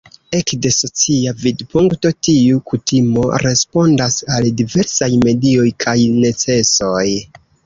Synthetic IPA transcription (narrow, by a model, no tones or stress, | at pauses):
e̞kde̞so̞t͡siavidpuŋkto̞tiukutimo̞̰ɾe̞spo̞ndasaldive̞ɾsajme̞dio̞jkʰajne̞t͡se̞so̞j